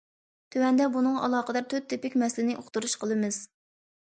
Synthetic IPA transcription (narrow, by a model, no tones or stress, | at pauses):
t̪ʰøwɛnd̪ɛbunɨŋɑ̰lˠɑːqəd̪ɑɾt̪ʰøt̪̚ʰːɪpɪkʲmɛslɪnɪʔoχt̪uɾuʃqʰəlˠɨmɨz̥